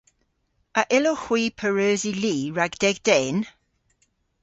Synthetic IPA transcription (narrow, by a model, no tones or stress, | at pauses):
əʔɪlohw̥iːpʰəɹøːziliːɹaɡd̥ɛɡ̚d̥ɛn